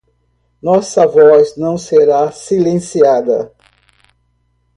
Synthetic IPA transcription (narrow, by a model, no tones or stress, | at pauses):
nɔsɐvɔznɐ̃w̃seɾasilẽsiad̪ɐ̰